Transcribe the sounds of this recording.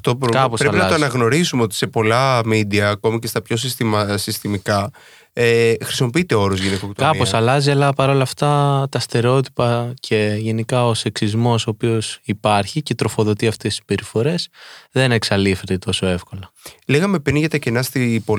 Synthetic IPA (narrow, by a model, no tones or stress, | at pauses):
ɐft̪oɾokɐpospɾeɐinɐzt̪oɐɐnɐɣno̞ɾisumeot̪i̥se̞po̞lɐmid̪iɐːko̞mice̞st̪ɐpço̞s̬ist̪isist̪imikɐ | exɾisimo̞piit̪e̞o̞ɾozʝinikokt̪oɐosɐlɐziɐlɐpɐɾo̞lɐft̪ɐt̪ɐst̪e̞ɾo̞t̪i̥pɐcʰe̞ʝe̞nikɐo̞se̞ksizmo̞soːpio̞sipɐɾçice̞t̪ɾo̞fo̞ðo̞t̪iɐft̪e̞st̪i̥sb̥e̞ɾifo̞ɾe̞sðe̞ne̞ksɐlife̞t̪et̪o̞so̞e̞fko̞lɐleɣɐme̞pɾinʝɐt̪ɐcenɐst̪ipo